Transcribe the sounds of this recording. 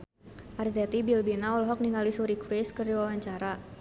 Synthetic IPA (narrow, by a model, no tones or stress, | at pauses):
ʔarzɛt̪ibilbinaɔlɦɔk̚niŋalisuɾikɾɪskərdiwawaɲt͡ʃaɾa